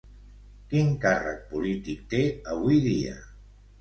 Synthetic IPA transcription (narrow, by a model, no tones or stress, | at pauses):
kiŋkarə̰k̚pulit̪ik̚t̪eəβ̞ujðiə̰